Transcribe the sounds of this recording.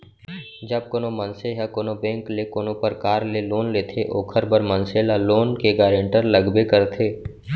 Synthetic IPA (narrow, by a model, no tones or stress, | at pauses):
d͡ʒɐb̚koːnõmə̃nseɦɛkoːnobɛ̃ːŋklekoːnõpəɾkaːɾleloːnleːt̪ʰeʔo̰ːkʰəɾbəɾmɐnselaloːnkeɡaːɾẽɳʈəɾləɡbekəɾt̪ʰeː